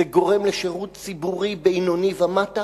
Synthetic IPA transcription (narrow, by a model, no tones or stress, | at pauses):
eɡo̞ʁe̞mleʃeʁutt͡sibuʁibeinonivamata